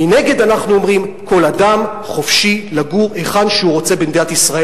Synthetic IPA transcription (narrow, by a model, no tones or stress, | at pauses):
mine̞ɡe̞danaχnuo̞mʁimko̞ladam | χo̞fʃilaɡuʁeχanʃehuʁo̞t͡se̞bend̪eat̪isʁae